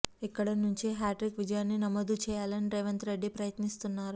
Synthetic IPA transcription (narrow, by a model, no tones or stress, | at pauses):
ikːɐɽɐnuɲt͡ʃiɦaːʈɾikʋid͡ʒɐjaːnːinɐmoːd̪ut͡ʃɛːjaːlɐniɾeːʋɐnt̪ɾeɖːipɾɐjɐt̪nist̪unːaːɾu